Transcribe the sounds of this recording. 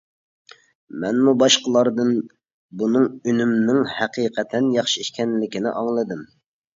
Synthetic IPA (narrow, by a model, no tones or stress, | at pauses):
mɛnmubɑʃqəlˠɑɾd̪ɨn | bunɨŋynymnɪŋhæqʰiqʰɛt̪ʰɛnjɑχʃiiʃkʲɛnlɪkʲinɪ̰ʔɑŋlˠɨd̪ɨm